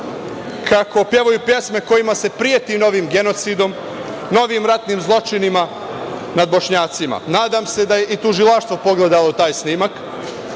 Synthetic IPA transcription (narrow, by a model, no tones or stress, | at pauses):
kʰako̞pje̞ʋojupje̞sme̞ko̞jimase̞pɾije̞t̪ino̞ʋimɡe̞no̞t̪sid̪o̞m | no̞ʋimɾat̪nimzlˠo̞t͡ʃinima | nad̪̚bo̞ʃɲaːt̪sima̰naːd̪amse̞d̪aje̞ʔit̪uʒilaʃt̪ʋo̞po̞ɡle̞d̪alo̞t̪aːjsniːmak